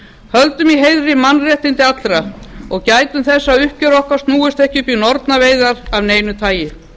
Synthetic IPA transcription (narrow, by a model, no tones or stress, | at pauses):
hœlt̪ʏmiɦeːjðɾɪmanrɛht̪ɪnt̪ɪat̪lɾaɔɣcaːjt̪ʏmθɛsːaʏhcœɾɔhkḁst̪nuːʏst̪ɛhcɪpinɔɾt̪naveːjðaɾavneːjnʏt̪ʰaːjɪ